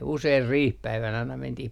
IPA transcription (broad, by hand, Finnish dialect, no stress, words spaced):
useir riːhpæiʋænæ ɑinɑ mentih